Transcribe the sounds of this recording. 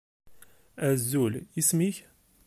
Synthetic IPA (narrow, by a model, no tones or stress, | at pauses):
æzːulismiç